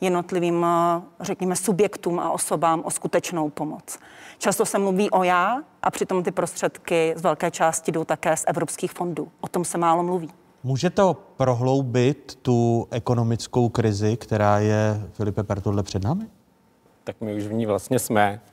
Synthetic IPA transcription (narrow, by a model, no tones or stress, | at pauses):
jɛdno̞t̪lɪviːmrɛkɲɛmɛsubjɛkt̪uːmʔa̰ʔo̞so̞baːmʔoskut̪ɛt͡ʃnowpo̞mot͡st͡ʃast̪o̞sɛmluviːʔo̞jaːʔa̰pr̝̥ɪt̪o̞mt̪ɪpɾost̪r̥ɛt̪kɪzvɛlkɛːt͡ʃaːscɪdowt̪akɛːsʔɛvɾopskiːxfo̞nduːʔot̪o̞msɛmaːlomluviː | muːʒɛt̪opɾoɦlowbɪt̪ːuʔɛko̞no̞mɪt͡sko̞wkɾɪzɪkt̪ɛɾaːjɛfɪlɪpɛpɛɾt̪odlɛpr̥ɛdnaːmɪ | t̪akmɪuʃvɲiːvlast̪ɲɛsmɛ